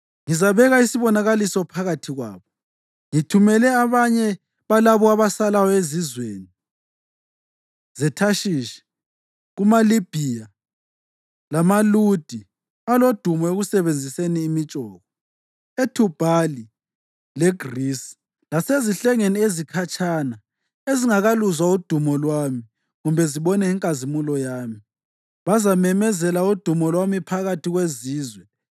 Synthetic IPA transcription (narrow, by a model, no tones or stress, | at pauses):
ŋizaβɛɣaisiβɔnaɣalisɔpʰaɣatʰiɣwa̰ːβɔ | ŋitʰumɛlɛaβaɲɛ | βalaβɔaβasalajɔezizwḛːni | zɛtʰaʃiːʃɛ̥ | ɣumalib̥ʱija | lamalud̥ʱi | alod̥ʱumɔeɣusɛβend͡zʱiseniːmit͡ʃʼɔːɣɔ | etʰub̥ʱali | leɡ̥risi̥ | laseziɬɛŋeniezikʰat͡ʃʰʼaːna | eziŋaɣaluzwaud̥ʱumɔlwami | ɣumbʱɛziɓɔnɛiŋkʼazimulɔjaːmi | βazamɛmɛzɛlaud̥ʱumɔlwamipʰaɣatʰiɣweziːzwɛ